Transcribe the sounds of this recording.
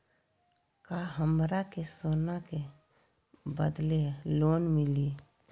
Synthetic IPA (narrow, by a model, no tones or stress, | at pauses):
kaɦəmɾakesoːnake | bəd̪leloːnmɪliː